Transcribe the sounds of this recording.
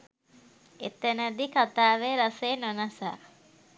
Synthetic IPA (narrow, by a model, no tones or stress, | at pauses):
et̪ənəd̪ikat̪aːʋeɾaseːnonasa̰ː